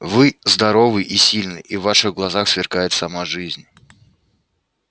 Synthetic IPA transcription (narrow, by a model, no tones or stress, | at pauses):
vɨzd̪ɐɾo̞vɨʔisʲilʲnɨʔivːaʂɨɣɡlˠɐzaxsvʲɪrkajɪt̪sɐmaʐɨzʲnʲ